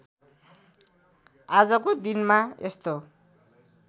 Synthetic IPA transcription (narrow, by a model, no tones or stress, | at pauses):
ad͡zʌkod̪inmaḛst̪o